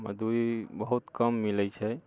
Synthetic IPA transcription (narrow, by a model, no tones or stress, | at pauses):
mə̰d̪uibəɦut̪kəmːilət͡ʃʰɛ